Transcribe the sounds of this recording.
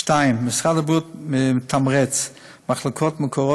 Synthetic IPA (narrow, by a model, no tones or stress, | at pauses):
ʃtaɪmːɪsχadəbutmɪɪtʰːamʁɛt͡s | maχlˠɪkʰɔtmɪkʰɔʁɔ